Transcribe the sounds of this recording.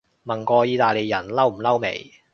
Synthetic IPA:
mɐ˨˩nkɔː˧jiː˧t̪aː˨jle˨jɐ˨˩nlɐ˥wm̩˨˩lɐ˥wmḛ˨˩j

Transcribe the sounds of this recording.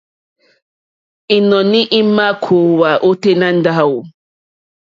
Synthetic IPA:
i˨nɔ̃˨ni˦ʔi˦ma˦kʰo˨wa˨ʔo˦te˦na˦n̩˦da˦˨wu˨

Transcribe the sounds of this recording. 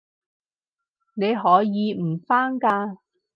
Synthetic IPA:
ne˨˧jɦɔː˨˥jiː˨˧m̩˨˩faː˥ŋkaː˧

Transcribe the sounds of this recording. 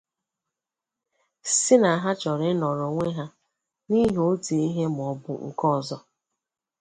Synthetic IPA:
sɪ˦na˨a˨ɦa˦t͡ʃɔ˨ɾɪ˦nɔ˨ɾo˨ŋʷe˦ɦa˦ | ni˦ɦo˦te˨i˦ɦe˦m˨ɔ˨bʊ̰˨ŋ̩˨kɔ˦˨zɔ˦

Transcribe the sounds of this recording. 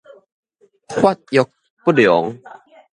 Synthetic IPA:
hwa˥˨t̪̚jɔ˨˧k̚ | pu˦˩djɔ˨˦ŋ

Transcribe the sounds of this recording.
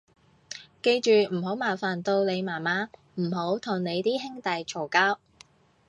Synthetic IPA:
ke˧jt͡ʃyː˨m̩˨˩ho˨˥wmaː˨˩faː˨˩nt̪o˧wne˨˧jmaː˨˩maː˨˥ | m̩˨˩ɦo˨˥wt̪ʰʊ˨˩ŋne˨˧jt̪iː˥ɦɪ˥ŋt̪ɐ˨jt͡ʃʰo˨˩wkaː˥w

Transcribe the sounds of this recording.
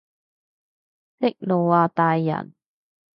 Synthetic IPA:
t̪ɪ˥k̚lo˨˩waː˨˧t̪aː˨jːɐ̰˨˩n

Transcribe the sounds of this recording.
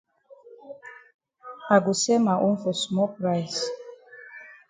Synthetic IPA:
a˨ɡu˨sɛ˦ma˨ʔu˦nfɔ˨smɔ˦pɾa˦˨js

